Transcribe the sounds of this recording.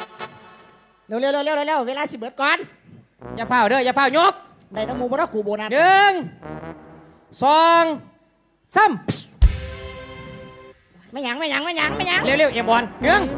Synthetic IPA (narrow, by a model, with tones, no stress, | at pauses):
li˧˨wli˧˨lllli˧˨ve˧˨laː˧˩si˧˩ɓɨ˨˦ət̚kɔː˧˦n | zaː˧˩faː˧˩wɗəː˧˩˨jzaː˧˩faː˧˩wɲo˧˥k̚ | ɗa˧˩jn˧˦mu˧˨ɔː˧˦nɔː˧˩ku˨˦ɓo˨˦naː˨˩nɨ˧ŋ | sɔː˧ŋ | sə˧˩m | maː˧˩jɲa˨˦ŋm˧˨ɲa˨˦ŋmaː˧˩jɲa˨˦ŋma˧˥˩jɲa˨˦ŋli˧˨wli˧˩˨wʔɛ˨˩˦mɓɔː˨˦nnɨ˧˥ə˨ŋ